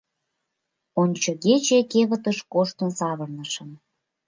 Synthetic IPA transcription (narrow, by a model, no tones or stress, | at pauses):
onʲt͡ɕoɣet͡ɕekeβət̪əʃkoʃt̪ənsɑβərnəʃə̆n